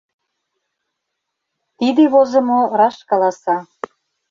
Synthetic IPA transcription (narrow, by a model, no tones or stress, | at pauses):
t̪id̪eβozə̆moɾɑʃkɑlɑsɑ